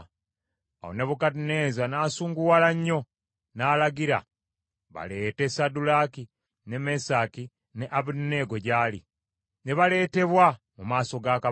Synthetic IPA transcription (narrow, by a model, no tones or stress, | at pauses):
a̰oneβukadineːzanaːsuːŋɡuwalaɲːo̞ | naːlaɡiɾa̰ | βa̰le̞ːte̞sadulaki | nemesaki | ne̞ʔaβunnːeɡoɟaːlḭ | neβale̞ːte̞βwa | mumaːso̞ɡaka